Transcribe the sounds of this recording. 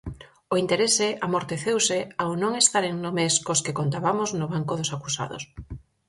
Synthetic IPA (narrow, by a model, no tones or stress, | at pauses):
oint̪eɾeseamoɾt̪eθewseawnõŋest̪aɾeŋnomeskoskekont̪aβamoznoβaŋkoðosakusa̰ðo̰s